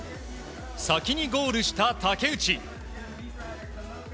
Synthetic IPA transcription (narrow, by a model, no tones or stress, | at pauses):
sakʲiɲ̟iɡo̞ːɾɯ̟ɕi̥t̪at̪ake̞ɯ̟t͡ɕi